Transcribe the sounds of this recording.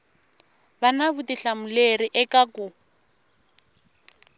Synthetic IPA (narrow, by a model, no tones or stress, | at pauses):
banaβutiɬamuleriʔɛkakʊ